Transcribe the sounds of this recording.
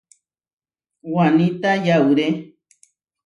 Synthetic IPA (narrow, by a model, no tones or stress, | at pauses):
wanĩt̪ajauɾe